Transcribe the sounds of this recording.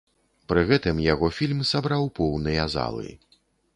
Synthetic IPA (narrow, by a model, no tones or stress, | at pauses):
pɾɨɣɛt̪ɨmjaɣɔfʲilʲmsabɾawpɔwnɨjɐza̰lˠɨ̰